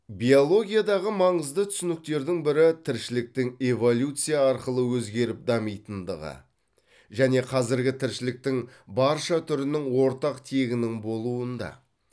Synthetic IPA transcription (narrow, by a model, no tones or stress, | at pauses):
bijo̞lˠo̞ɡʲijad̪ɑʁəmɑɴəzd̪ət̪ʰʏsʏnɪk̚t̪e̞ɾd̪ɪŋbɪɾɪt̪ʰɪɾʃɪlɪk̚t̪ɪŋevo̞lʲjut̪sɨjaɑɾqəlˠəwɵzɡʲe̞ɾɪp̚d̪ɑmijt̪ənd̪ə̰ʁə̰ | ʒæne̞qʰɑzɪɾɡʲɪt̪ʰɪɾʃɪlɪk̚t̪ɪŋbɑɾʃɑt̪ʰʏɾɪnɪŋwo̞ɾt̪ɑqt̪ʰe̞ɡʲɪnɪŋbo̞lˠuənd̪ɑ̰